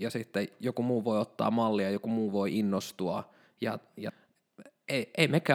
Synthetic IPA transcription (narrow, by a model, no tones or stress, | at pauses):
jɑsit̪ːejokumuːʋoiot̪ːɑ̰ːmɑlːiɑjokumuːʋoiʔinːost̪uɑ | jɑ̰jɑ̰ | eieimekæ